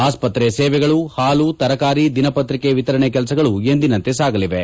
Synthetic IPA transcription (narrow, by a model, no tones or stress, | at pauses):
aːspɐt̪ɾeseːʋɛɡɐɭuhaːluːt̪ɐɾɐkaːɾid̪inɐpɐt̪ɾikeʋit̪ɐɾɐɳek̬ɛlɐs̬ɐɡɐɭue̞nd̪inɐnt̪esaːɡɐliʋe